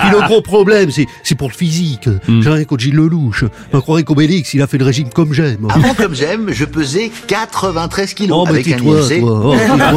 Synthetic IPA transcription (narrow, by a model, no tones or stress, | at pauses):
piləɡʁopχɔblɛmsɛsɛpuʁləfizikʒɛ̃ʁjɛ̃kõt̪ʒilːəluʃ | makχwaʁɛ̃kobeliksilafɛləʁeʒimkɔmʒɛmavɑ̃kɔmʒɛmʒəpøzɛkat̪χəvɛ̃t̪χɛz̥kʲiloɔbɛɛk̪ẽt̪wat̪waɔet̪a